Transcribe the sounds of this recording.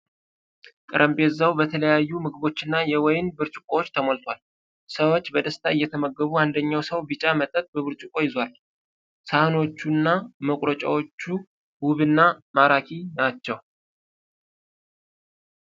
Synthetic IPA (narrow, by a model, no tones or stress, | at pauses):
kʼɨɾʔəmbe̞zəwbət̪ʰələjajːumɨɡɨβo̞t͡ʃːɪnːajɛwɔjɪnbɨɾt͡ʃʼukʼowot͡ʃːt̪ʰəmolt̪ʰwal | səwo̞t͡ʃːbəd̪əst̪ʰaɨjːɛt̪ʰəməɡːəβuand̪əɲːawsəwbɨt͡ʃʼamət̪ʼət̚ʼbəβɨɾt͡ʃʼukʼo̞jɪzwal | sahɨno̞t͡ʃːunːaməkʷʼɾət͡ʃʼa̰wo̞t͡ʃːu | buβɨnːamaɾakʰinat͡ʃːɛw